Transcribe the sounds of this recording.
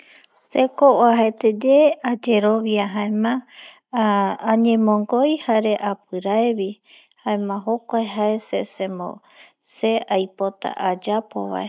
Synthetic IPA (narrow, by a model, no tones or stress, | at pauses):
sekooaɦet̪ed͡ʒead͡ʒe̞ɾo̞βijaɦãẽmã | ãɲẽmõŋɡojhaɾe̞ʔapɨɾaeβi | hãẽmãɦokʷaeɦaesesẽmõ̰ | se̞ajpo̞t̪a̰ʔad͡ʒapoβa̰e